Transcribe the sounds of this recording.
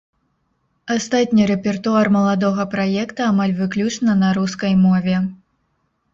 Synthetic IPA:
ast̪at̪ʲnʲiɾɛpʲɛrt̪uarmɐlˠad̪ɔɣɐpɾajɛkt̪ɐamalʲvɨklʲut͡ʂnɐnɐɾuskɐjmɔvʲɛ

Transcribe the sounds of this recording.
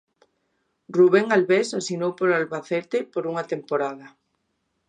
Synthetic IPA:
ruβeŋalβesasinowpoɾalβaθɛt̪epoɾuŋat̪empoɾaðɐ

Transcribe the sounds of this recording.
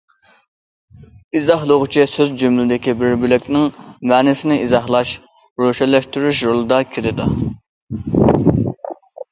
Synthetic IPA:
izɑɦlˠʊʁʊt͡ʃʰisøzd͡ʒømlɪd̪ɪkʲibɪɾbylɪkʲnɪŋmɛːnɪsɪnɪizɑɦlˠɑʃ | ɾoʃɛlɛʃt̪yɾyʃɾolˠɨd̪ɑkʲʰelɪd̪u

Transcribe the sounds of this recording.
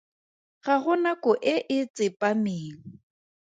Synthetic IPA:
ɣaɣʊnakʊʔɪʔɪt͡sʼɪpʼamɪːŋ̩

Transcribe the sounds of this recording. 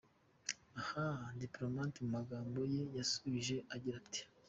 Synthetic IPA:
ahadiplo̞matmumaɡaːmbo̞je̞jasuβiʒe̞ʔaɟiɾati̥

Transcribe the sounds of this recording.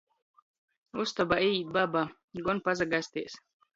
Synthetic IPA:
ust̪ɔbait̪̚baba | ɡɔnpazaɡasʲt̪iːs

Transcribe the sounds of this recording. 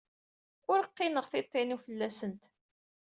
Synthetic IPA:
ʊɾəqːɪnəʁθɪt̪ˤːɪnufəlːæsənt̪

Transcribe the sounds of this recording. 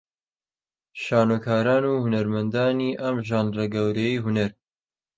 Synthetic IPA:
ʃaːnukʰaːɾaːnuːhunɐɾmɐnd̪aːniːʔɐmʒaːnrɐɡɐwɾejiɦunɐɾ

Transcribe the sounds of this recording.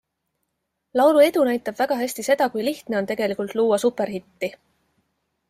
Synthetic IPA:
lɑwɾue̞d̪unæjt̪ːˑɑb̥væɡ̥ɑɦæsʲt̪ise̞d̪̥ɑkujliht̪ne̞o̞nt̪e̞ɡ̥e̞likult̪luːwɑsupːˑe̞rɦit̪ːi

